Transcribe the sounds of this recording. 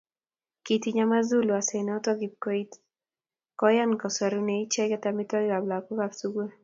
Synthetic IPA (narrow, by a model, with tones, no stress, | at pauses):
kiti˦ɲa˦ma˦zu˦lu˨a˨sɛ˨nɔ˦tɔ˦ɡi˨p̚ko˦i˦t̪ | kɔ˦ja˦nkɔ˨sa˨ɾu˦nei˦t͡ʃɛ˦ɡɛ˦t̪a˨mi˦tɔ˦ɡa˨bla˨kɔ˦ɡabsu˦ɡu˦